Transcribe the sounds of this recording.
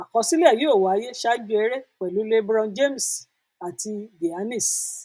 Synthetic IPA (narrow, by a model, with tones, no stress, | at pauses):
a˨kɔ̃˧si˦le˦˨ji˦o˦˨wa˨a˨˧˦je˦ʃa˦d͡ʒu˦ɛ˧˦ɾe˦k͡pɛ˨lu˨˦le˦bɾɔ̃˧d͡ʒe˦˨m̩˨s | a˨ti˧ɡe˨a˧˦nĩ˦˨s